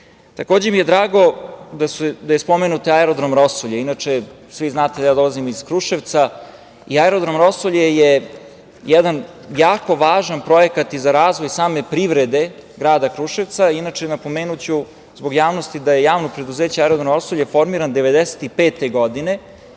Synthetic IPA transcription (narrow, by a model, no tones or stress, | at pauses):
t̪ako̞ːd͡ʑemije̞d̪ɾaːɡo̞d̪ased̪ajespo̞menut̪aeɾod̪ɾomɾosoʎeinat͡ʂe | sʋiznaːt̪ed̪ajaːd̪o̞lˠazimoizkɾuʃeʋt̪sa | iaeɾod̪ɾomɾo̞soʎeje | jɛd̪an | jaːko̞ʋaːʒanpɾo̞jekat̪izaɾaːzʋo̞jsaːme̞pɾiʋɾed̪e̞ɡɾaːd̪akɾuʃeʋt̪sainat͡ʂenapo̞meːnut͡ɕu | zbo̞ɡjaːʋnost̪id̪ajejaːʋnopɾe̞d̪uzeːt͡ɕaaeɾod̪ɾomɾosoʎefo̞ɾmiɾand̪eʋe̞d̪ese̥t̪ipeːt̪eɡod̪ine̞